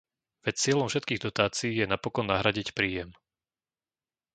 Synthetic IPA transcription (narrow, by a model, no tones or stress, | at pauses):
ʋɛt͡sɪɛlɔmfʃɛt̪̚kiːɣd̪ɔt̪aːt͡siiːjɛnapɔkɔnːaɦɾaɟicpɾiːjɛm